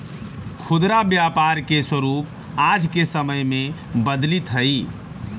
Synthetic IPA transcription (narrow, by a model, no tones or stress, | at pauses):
kʰod̪ɾabjapaɾkeswəɾup̚ | ad͡ʒʱkesəməjme | bəd̪lit̪ɦəj